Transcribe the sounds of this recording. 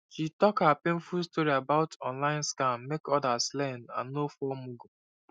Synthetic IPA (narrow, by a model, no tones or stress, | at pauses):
ʃitɔkhəpẽnfulstɔɹiabaʊtʰɔ̃nlãɪ̃nskãmːekɔdaslɛ̃nã̰nːofɔmuɡu